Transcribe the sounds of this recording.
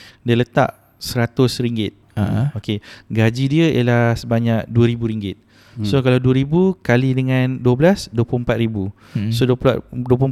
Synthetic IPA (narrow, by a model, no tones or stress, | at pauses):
diələt̪a̰ʔ | səɾat̪ʊsɾiŋɡɪt̪̚aokeɡad͡ʒidiəj̰əlasəbaɲak̚duəɾibuɾiŋɡɪt̪̚ | sokalawduəɾibukalidəŋãnduəblasduəplʊmpat̪̚ɾibu | soduəduəp̬lʊm